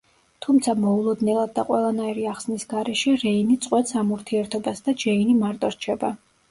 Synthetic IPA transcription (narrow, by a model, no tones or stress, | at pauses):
t̪ʰumt̪sʰamɔulˠɔd̪nɛlˠad̪ːaqʼwɛlˠanaiɾiaχsnisɡaɾɛʃɛɾɛinit̪sʼqʼwɛt̪samuɾt̪ʰiɛɾt̪ʰɔbasd̪ad͡ʒɛinimaɾt̪ʼɔɾt͡ʃʰɛba